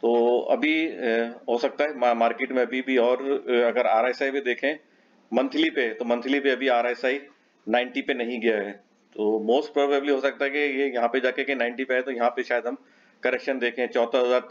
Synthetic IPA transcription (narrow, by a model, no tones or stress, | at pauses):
t̪oːɐ̰bʱi | ɦosɐk̚t̪aɦɛmaːɾkeːʈmẽɐbʱibʱiɔːɾɐɡəɾaːɾaːsaːiped̪eːkʰẽ | mɐ̃nt̪ʰɪlipet̪omɐ̃nt̪ʰɪlipeɐbʱiaːɾaːsaːi | nãːɪ̃ɳʈipenɐɦĩɡɐjaɦɛː | t̪oːmoːsʈ̚pɾɔːbəbliɦoːsɐk̚t̪aɦɛkijejɐɦãped͡ʒaːkekenãːɪ̃ɳʈipeɦɛt̪ojɐɦãpeʃaːjəd̪ɦɐm | kɐɾɛkʃənd̪eːkʰẽɦɛ̃t͡ʃɔːt̪aɦɐzaːɾ